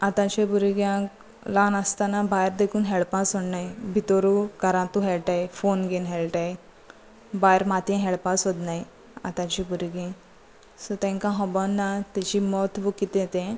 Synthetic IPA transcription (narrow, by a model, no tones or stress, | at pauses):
at̪ãt͡ɕẽbuɾɡjãk | lanast̪anabajɾd̪ekʰuːnɦeɭpãsoɽnajbʱit̪oɾukəɾãt̪uɦɛɭʈaefonɡenɦeɭʈaje | bajɾmat̪ʰɛ̃ɦɛɭpãsɦod̪naj | a̰t̪ãt͡ɕibuɾɡĩ | sɔt̪ɛ̃ŋkãɦɔbɔnːat̪at͡ɕimɔt̪ʋukit̪jet̪ẽ